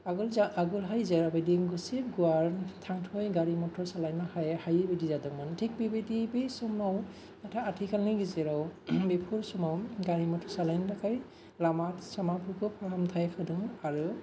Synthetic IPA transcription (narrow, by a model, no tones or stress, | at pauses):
aɡɔlzaaɡɔlɦajzaɹabediɡɔseɡuaɹtʰaŋtʰɔjɡaɹimɔtʰɔsalajnakʰajhajbedizadɔŋmantʰik̚bibedibesɔmnaw | natʰaatʰikʰanːɯɡizɛɾawbepʰuɹsɔmawɡaɹimɔtʰɔsalajndakʰaj | lamatsamapʰukɔpʰɔɹamtʰajkʰɯdɯŋaɹu